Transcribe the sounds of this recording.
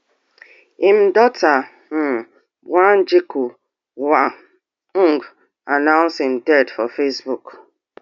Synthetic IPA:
im̩dɔta | wand͡ʒiku | wa | ŋɡ | anãʊnsimdɛdfɔfesbuk

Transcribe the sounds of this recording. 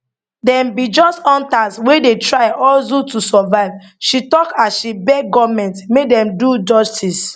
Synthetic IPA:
dɛ̃mbid͡ʒɔstɔ̃ntaswedetɹaɪɔlzutusɔvaɪv | ʃitɔkasʃibɛɡɔvmɛ̃ntmekdɛ̃mdud͡ʒɔstʰis

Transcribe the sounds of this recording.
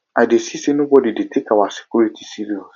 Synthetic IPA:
adesisenobɔdidetʰekawase̥kʰʲuɾitʰi̥siɾiɔs

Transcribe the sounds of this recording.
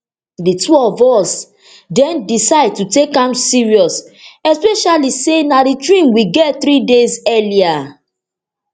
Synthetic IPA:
ditʰuɔvɔs | dɛ̃ndisaɪd̚tutekãmsiɹiɔs | ɛspɛʃalisenaditɹĩmwiɡɛtθɾidezɛlia

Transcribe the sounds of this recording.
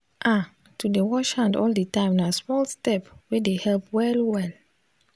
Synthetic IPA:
ʔa | tʰudewɔʃhãndɔldətãɪ̃mnasmɔlstɛpwɛdehɛlpwɛlwɛl

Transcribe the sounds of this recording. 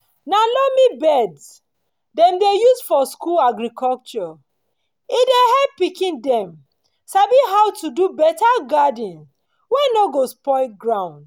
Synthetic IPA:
nalɔmibɛds | dɛ̃mdejusfɔskulaɡɹikʰɔlt͡ʃɔ | idehɛpːikĩndɛ̃m | sabiɦawtudubɛtaɡadĩns | wɛnɔɡospɔɪɡɹãʊ̃nd

